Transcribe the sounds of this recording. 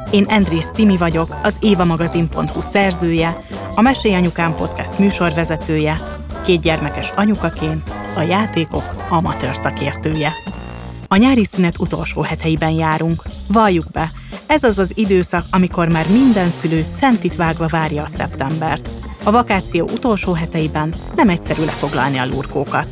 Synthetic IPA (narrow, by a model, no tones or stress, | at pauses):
eːnʔɛnd̪rist̪imivɒɟo̞kɒzeːvɒmɒɡɒzimpo̞nt̪husɛrzøːjɛ | ɒmɛʃejɒɲukaːmpo̞t̪kɛst̪myːʃo̞rvɛzɛt̪øːjɛ | keːd̪̚ɟɛrmɛkɛʃɒɲukɒkeːnt̪ | ɒjaːt̪eːko̞kɒmɒt̪øːrsɒkeːrt̪øːjɛ | ɒɲaːɾisynɛt̪ut̪o̞̰lʃoːɦɛt̪ɛjibɛnjaːɾuŋkvɒjːuɡbɛ | ɛzɒzɒzid̪øːsɒkɒmiko̞rmaːrmind̪ɛnsyløːt̪sɛnt̪it̪ʋaːɡvɒvaːrjɒːsɛ̰pt̪ɛmbɛrt̪ | ɒvɒkaːt̪sijo̰ːʔut̪o̞lʃoːɦɛt̪ɛjibɛnːɛmɛcsɛɾylʔɛ̰fo̞ɡlɒ̰lniɒlṵːrkoːkɒt̪